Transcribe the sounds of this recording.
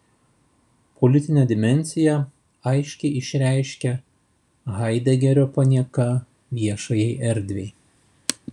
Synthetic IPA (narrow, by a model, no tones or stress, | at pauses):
pʰɔlʲɪt̪ʲɪnʲɛd̪ʲɪmʲɛnʲsʲɪjɛ | ɐɪʃʲkʲɛɪɪʃʲɾʲæˑɪʃʲkʲɛ | ɣɐɪd̪ʲɛɡʲɛɾʲoːpɐnʲiɛkɐ | ʋʲiɛʃɐjɛɪʔɛɾʲd̪ʲʋʲeɪ